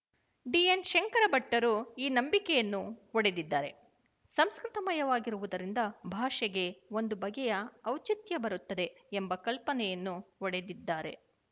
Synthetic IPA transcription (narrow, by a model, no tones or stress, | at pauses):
ɖienʃeŋkɐɾɐbɐʈːɐɾuiːnɐmbikɛjɐnːuɔɽe̞d̪id̪ːaːɾe̞ | sɐmskɾɪt̪ɐmɐjɐʋaːɡiɾuʋud̪ɐɾind̪ɐbʱaːʂɐɡe̞o̞nd̪ubɐɡɛjɐːwt͡ʃit̪jɐbɐɾut̪ːɐd̪e̞ːmbɐkɐlpɐnɛjɐnːuɔɽe̞d̪id̪ːaːɾe̞̰